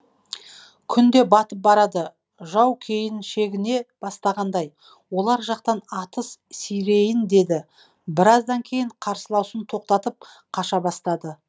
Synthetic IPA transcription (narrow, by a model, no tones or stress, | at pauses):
kʲʰʏnd̪e̞bɑt̪əp̚bɑɾɑd̪ə | ʒɑwkʲʰe̞jɪnʃe̞ɡʲɪne̞b̥ɑst̪ɑʁɑnd̪ɑj | wo̞lˠɑɾʒɑqt̪ɑnɑt̪əssʏjɾe̞jɪnd̪e̞d̪ɪ | bɪɾɑzd̪ɑŋkʲʰe̞jɪɴqʰɑɾsəlˠɑwsənt̪ʰo̞q̚t̪ɑt̪əp̚ | qʰɑʃɑbɑst̪ɑd̪ə